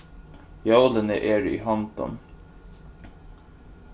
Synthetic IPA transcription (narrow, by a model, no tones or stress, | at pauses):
jowlənəʔɛːɹḭɦɔnt̪ɔ̰n